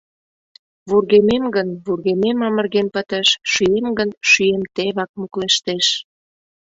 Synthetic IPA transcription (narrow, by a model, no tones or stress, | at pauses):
βurɣememɡənβurɣememɑmə̆rɣenpə̆t̪əʃʃyemɡənʃyemt̪eβɑk̚mukleʃt̪eʃ